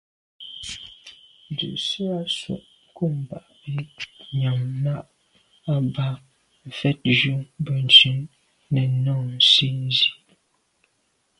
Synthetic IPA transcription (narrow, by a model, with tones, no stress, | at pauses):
n˨dʉ̰˨ʔsi˦a˦sɔ̰˨ʔ | ŋ˨ku˦˨m˨ba̰˨ʔbi˦ɲa˨mːa˦ʔ | a˦ba˦˨ | fɛ˦t̚d͡ʒu˦bə˨n̩˨t͡ʃʉ˦nː | ɛ˨nɔ˦˨ŋn̩˨si˦n˦zi˦